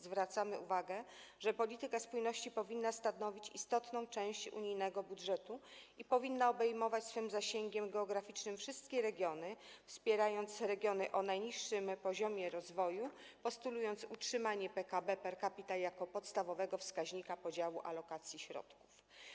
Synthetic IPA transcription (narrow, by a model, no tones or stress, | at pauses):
zvɾat̪samɘuvaɡɛ | ʐɛpɔlʲit̪ɘkaspujnɔɕt͡ɕipɔvʲinːast̪anɔvʲit͡ɕist̪ɔt̪nɔ̃w̃t͡ʂɛ̃w̃ɕt͡ɕṵɲijnɛɡɔbudʐɛt̪uipɔvʲinːaɔbɛjmɔvat͡ɕsfɘmzaɕeŋɡʲɛmɡɛɔɡɾafʲit͡ʂnɘmfʂɘst̪kʲɛɾɛɡʲjɔnɘfspʲjɛɾajɔnt̪sɾɛɡʲjɔnɘʔɔnajɲiʂːɘmpɔʑɔmʲjɛɾɔzvɔju | pɔst̪ulujɔnt̪sutʂɘmaɲɛpɛkabɛpɛɾkapʲit̪ajakɔpɔt̪st̪avɔvɛɡɔfskaʑɲikapɔd͡ʑawuʔa̰lɔkat̪sʲjiɕɾɔ̰t̪ku̥f